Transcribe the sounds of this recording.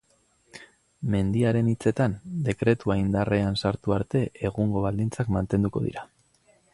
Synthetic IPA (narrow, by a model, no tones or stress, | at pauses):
me̞nd̪iaɾe̞nit͡se̞t̪and̪e̞kɾe̞t̪uaind̪are̞ansaɾt̪uaɾt̪e̞ʔeɣuŋɡo̞β̞ald̪int͡sakmant̪e̞nd̪uko̞̰ð̞ḭɾa